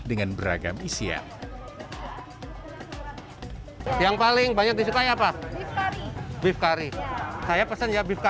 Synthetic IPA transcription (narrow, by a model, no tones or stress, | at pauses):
dəŋanbəɾa̰ɡamisia̰ | jaŋpalɪŋbaɲak̚disukajapa | bɪfkaɾisajapəsənjabifka